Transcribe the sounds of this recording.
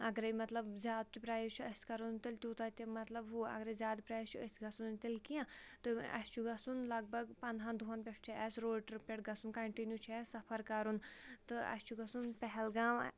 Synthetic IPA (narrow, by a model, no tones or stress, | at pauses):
ɐɡɾɐjmɐt̪lɐbzʲjaːd̪̚t̪ipɾaːjit͡ʃʰɐsʲkɐɾunt̪ilʲt̪ʲuːt̪aːt̪imɐt̪lɐbɦuɐ̰ɡɾɐzʲaːd̪pɾaːjt͡ʃʰuɐsɡɐsunt̪ilkiãt̪ɨɐ̰st͡ʃʰuɡɐsunlɐɡ̚bɐɡpɐnɦãnd̪ʱuɐnpʲeʂt͡ʃʰiɐsɾoːʈɾpʲeʈɡɐsunkɐɳʈinjut͡ʃʰiɛsɐpʰɐɾkɐɾunt̪ɨɐ̰sʲt͡ʃʰuɡɐsunpɛɦɛlɡaːm